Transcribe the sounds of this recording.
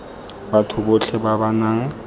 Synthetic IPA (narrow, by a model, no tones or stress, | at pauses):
batʰʊboɬʰɛbabanaːŋ̩